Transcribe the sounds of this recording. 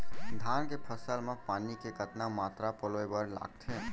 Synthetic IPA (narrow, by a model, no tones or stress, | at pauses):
d̪ʱankepʰəsəlmepanikeɡʱət̪namat̪ɾapəloebəɾla̰ɡ̚t̪ʰe